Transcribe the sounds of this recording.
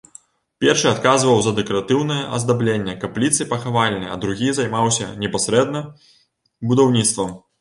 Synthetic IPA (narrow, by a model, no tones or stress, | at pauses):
pʲɛrʂɨat̪̚kazvɐwzɐd̪ɛkɐɾat̪ɨwnɨjɛʔɐ̰zd̪ablʲenʲːɛkɐplʲit̪sɨpɐxavalʲnɨjɐ̰d̪ɾuɣʲizajmawsʲɐ̰nʲɛpasʲɾɛd̪̚nɐ | bud̪awnʲit̪st̪vɐm